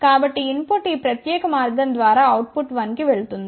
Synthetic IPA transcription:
kaːbɐʈːiɪnpoʈːiːpɾɐt̪jeːkɐmaːɾɡɐnd̪ʋaːɾaːɐwʈ̚pʊʈʋɐnkiʋeɭut̪ːund̪ɐ

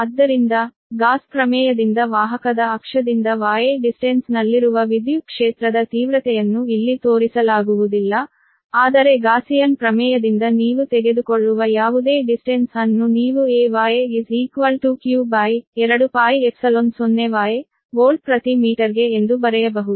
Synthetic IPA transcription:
ɐd̪ːɐɾind̪ɐ | ɡaːspɾɐmɛːjɐd̪ind̪ɐʋaːɦɐkɐd̪ɐːkʂɐd̪ind̪ɐʋaːjeɖisʈensnɐlːiɾuʋɐʋid̪jukʂeːt̪ɾɐd̪ɐt̪iːʋɾɐt̪ɛjɐnːuilːit̪oːɾisɐlaːɡuʋud̪ilːɐ | aːd̪ɐɾe̞ɡaːsijɐnpɾɐmɛːjɐd̪ind̪ɐniːʋut̪ɛɡe̞d̪ukoɭːuʋɐjaːʋud̪e̞ːɖisʈensɐnːuniːʋueːʋaːjeiziːkʋɐlʈukjuːbaːjɛɾɐɽupaːjepsɐlonsonːeʋaːje | ɡoːlɖ̚pɾɐt̪imiːʈɐɾɡe̞ːnd̪ubɐɾɛjɐbɐɦud̪u

